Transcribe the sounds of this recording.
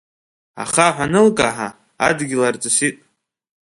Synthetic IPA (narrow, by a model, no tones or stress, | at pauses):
a̰χaħʷanɨlkʼaħa | a̰dɡʲɪlart͡sʼɨsitʼ